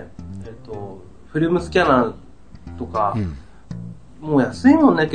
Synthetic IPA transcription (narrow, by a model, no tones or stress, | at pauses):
et̪ːo̞ | ɸɯ̟ɾɯ̟mɯ̟sɨ̥kʲana | t̪o̞ka | moːjasɨinoneke